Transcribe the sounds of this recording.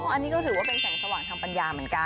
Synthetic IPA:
ɔ˥˩ʔa˧nːiː˦˥kɔː˥˩t̪ʰɯː˩˦waː˥˩pe˧nsɛː˨˩˦ŋsa˧waː˨˩ŋt̪ʰaː˧ŋpa˧njaː˧mɯ˩˦ə˦nka˧

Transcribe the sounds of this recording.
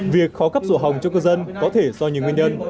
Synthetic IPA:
vi˨˩ək̚xɔ˨˦kə˦˥p̚zo̰˧˩ɦa˨˩wŋ͡mt͡ɕɔ˧kəː˧zə˧nkɔ˨˦t̪ʰe˧˩zɔ˧ɲi˨ŋwi˧nɲə˧n

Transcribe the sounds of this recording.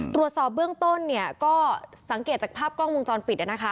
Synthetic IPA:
t̪ɾu˨˩ət̪̚sɔː˨˩p̚bɯ˥˩əŋt̪o˥˩nːi˥˩ɐkɔː˥˩sa˩˦ŋkeː˨˩t̪̚t͡ɕa˨˩pʰaː˥˩p̚klɔ˥˩ŋwo˧ŋt͡ɕɔː˧npi˨˩ʔa˧˩na˦˥kʰa˦˥

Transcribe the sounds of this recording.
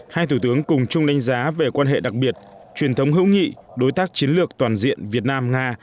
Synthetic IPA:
haː˧jt̪ʰu˧˩t̪ɨ˨˦əŋkʊ˨˩ŋ͡mt͡ɕʊ˧ŋ͡mɗa˨˦jŋ̟zaː˨˦ve˨˩kwaː˧nɦḛ˧˨ɗa˨˩k̚ɓi˨˩ət̚t͡ɕwi˨˩ənt̪ʰə˨˦wŋ͡mɦɨ̰˧˥wŋḭ˧˨ɗo˨˦jt̪aː˦˥k̚t͡ɕi˨˦ənlɨ˨˩ək̚t̪waː˨˩nzḭ˧˨ənvi˨˩ət̚naː˧mŋaː˧

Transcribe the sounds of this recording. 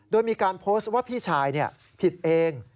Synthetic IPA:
doː˧jmiː˧kaː˧npʰoː˦˥st̪̚waː˥˩pʰiː˥˩t͡ɕʰaː˧jni˥˩ɐ | pʰi˨˩t̪̚ʔeː˧ŋ

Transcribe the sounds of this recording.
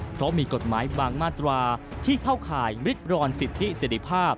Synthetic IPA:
pʰɾɔ˦˥miː˧ko˨˩t̪̚maː˩˦jbaː˧ŋmaː˥˩t̪ɾaː˧t̪ʰiː˥˩kʰaː˥˩wkʰaː˨˩jwɾi˦˥t̪̚ɾɔː˧nsi˨˩t̪ʰːi˦˥se˨˩ɾi˧˥pʰaː˥˩p̚

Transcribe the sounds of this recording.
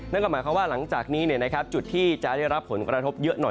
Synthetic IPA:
na˥˩kɔ˥˩mː˨˦kʰa˦˥waː˥˩la˩˦ŋt͡ɕaː˨˩k̚niː˦˥ni˥˩na˦˥kʰa˦˥p̚t͡ɕu˨˩t̪ʰːiː˥˩t͡ɕa˨˩ʔda˥˩jɾa˦˥pʰːo˩˦nkɾa˧t̪ʰo˦˥p̚jɤ˦˥ʔnɔ˨˩

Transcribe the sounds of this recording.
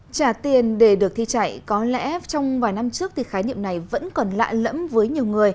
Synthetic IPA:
t͡ɕaː˧˩t̪i˨˩ənɗe˧˩ɗɨ˨˩ək̚t̪ʰi˧t͡ɕa̰˧˩˨jkɔ˨˦lɛ̰˧˥t͡ɕɔ˧wŋ͡mvaː˨˩jna˧mt͡ɕɨ˦˥ək̚t̪ʰi˨˩xaː˨˦jnḭ˧˨əmna˨˩jvə̰˧˥nkɔ˨˩nla̰ː˧˨lə̰˧˥mvəː˨˦jɲi˨˩əwŋɨ˨˩əj

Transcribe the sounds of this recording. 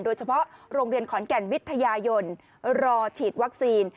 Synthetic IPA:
ndoː˧jt͡ɕʰa˧pʰɔ˦˥ʔɾoː˧ŋɾi˧ənkʰɔː˩˦nkɛ˨˩nwi˦˥t̪ʰːa˧jaː˧jo˧n | ɾɔː˧t͡ɕʰiː˨˩t̪̚wa˦˥k̚siː˧n

